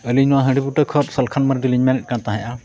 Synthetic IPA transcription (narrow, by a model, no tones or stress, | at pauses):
əliɲnɔwaɦəɖibuʈəkʰɔt̪̚səlkʰanməɾɖiliɲmɛnɛt̚ˀkant̪aɦɛ̃jʔa